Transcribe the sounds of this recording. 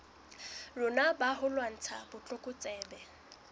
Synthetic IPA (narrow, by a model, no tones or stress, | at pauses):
lʊnabaɦʊlwan̩t͡sʰabʊt͡ɬʼʊkʼʊt͡sʼɛːbɛ